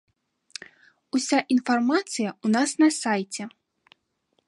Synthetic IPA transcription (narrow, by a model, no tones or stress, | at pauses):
usʲaʔinfarmat̪sɨjɐunasnɐsajt͡sʲɛ